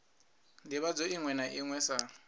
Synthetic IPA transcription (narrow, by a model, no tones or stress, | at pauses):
ndiβad͡zoiŋwɛnaʔiŋwɛsa